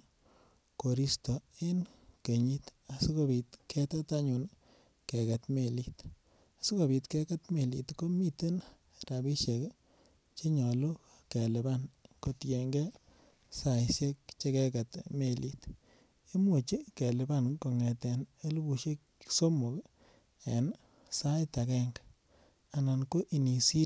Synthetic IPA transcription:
ko˨ɾi˦sto˨e˦nke˨ɲi˦ta˨si˦ko˦bi˨tkʰe˦ta˦ta˦ɲu˨n | ke˨ka˨tme˨li˨t | a˨su˦ko˨bi˧tke˦ka˦tme˨lḭ˨tko˦mi˦te˦n | ɾa˨bi˦ʃe˨k | t͡ʃe˦ɲɔ˨lo˦ | ke˨lɛ˨ba˦nko˨tje˨ŋɡɛ˦ | sa˨jsje˦k̚t͡ʃe˦kɛ˦ka˨tme˨li˨t | e˦mo˨t͡ʃi˦ke˨le˨ba˦nko˨ŋɛ˨tɛ˨ne˦lu˦bu˨ʃe˦k | so˦mo˨k | e˨n | sa˦jta˨kɛ˦ŋɡ | a˨na˨nko˦ʔi˨ni˨si˦

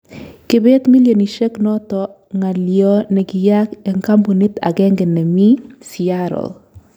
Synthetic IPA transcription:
kɪ˦be˦t̪mi˦ljoni˨ʃe˦knɔ˦t̪ɔ | ŋa˨ljɔ˦nɛ˨ɡɪ˨jakɛ˨ŋka˦mbo˨ni˦t̪a̰˨ɡɛ˦ŋɡɛnɛ˨mi˦siaɾɔ̰l

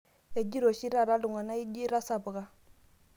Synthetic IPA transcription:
e˨ɟi˦ɾo˨si˦ɾa˦˨ɾa˦lu˨ŋɡa˨na˦i˦d͡ʒi˦ɾa˦sa˨bə˨ɡa˦

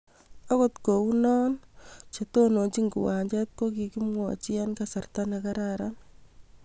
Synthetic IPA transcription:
a˦ko˦tko˨u˦nɔː˦nt͡ʃeto˦no˨t͡ʃi˦ŋɡṵ˨wa˨ɲd͡ʒɛ˦t̚ko˦ki˨ki˦mwɔ˨t͡ʃi˦a˦nkasa˨rtaneka˦ɾaɾan

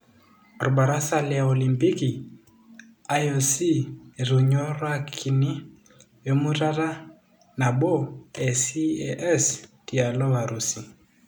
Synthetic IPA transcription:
ɾu˨ba˨ɾa˦sa˦lɛ˨a˨ɔ˨li˨mpi˦ki˨ | a˦jo˨si˦˨ɾu˨ɲɔ˦ɾwa˦kʰi˨ni˦ | jɔ˨˦mu˦ɾa˦ɾa˦ | na˨ɓɔ˦˨ɛ˨si˦ɛʔɛ˦sti˨a˨lɔ˦βa˨ɾu˨si˨

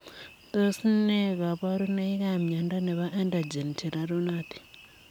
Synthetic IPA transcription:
to˦si˦ne˦ɣa˨βa˦ɾu˦na˦i˦ka˦mɲa˨nda˦ne˨βa˦ʔa˦nda˨d͡ʒe˨n˨tʰi˨ɾa˨ɾo˦na˦ti̥˨

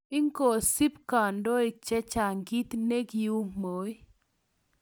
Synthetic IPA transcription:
ɪ˦ŋko˨si˦pka˨ndɔ˦ɪ˨t͡ʃɛ˦t͡ʃa˨ŋɡi˦t̪ne˦ɡi˨u˦ŋmo˨˦i˦

